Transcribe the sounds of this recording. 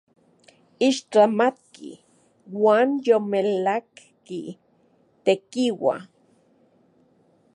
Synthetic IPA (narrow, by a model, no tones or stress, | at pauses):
iʃt͡ɬamat̪̚kḭ | waːnjomelak | ki | t̪ekiwa̰